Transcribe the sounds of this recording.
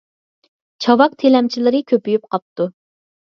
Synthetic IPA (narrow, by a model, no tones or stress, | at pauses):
t͡ʃʰɑwɑq̚t̪ʰelɛmt͡ʃʰilˠɪɾɨkʲʰøpyjyp̚qʰɑp̚t̪u